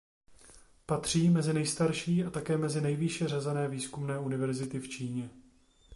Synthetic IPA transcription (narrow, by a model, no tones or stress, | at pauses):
pat̪r̝̥iːmɛzɪnɛjst̪aɾʃiːʔat̪akɛːmɛzɪnɛjvɪʃɛr̝azɛnɛːviːskumnɛːʔunɪvɛɾzɪt̪ɪft͡ʃiːɲɛ